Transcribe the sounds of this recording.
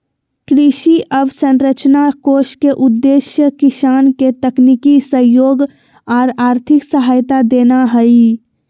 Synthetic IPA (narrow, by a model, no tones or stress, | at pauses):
kɾɪʃiʔəbsə̃nɾət͡ʃnakoːʃkeʔʊd̪ːeːʃjəkɪsaːnket̪əknikisəjoːɡ | ɔːɾaːɾt̪ʰɪksəɦaːjt̪ad̪eːnaɦəi